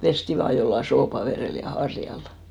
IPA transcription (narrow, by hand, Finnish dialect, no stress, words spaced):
pesti ʋɑː jolːɑ soːpɑʋereˑl jɑ hɑrjɑl